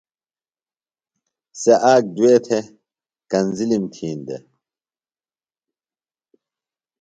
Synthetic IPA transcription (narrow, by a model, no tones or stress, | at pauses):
seʔaːk̚d̪ueːt̪ʰe | kɐnzilimt̪ʰiːnd̪ḛ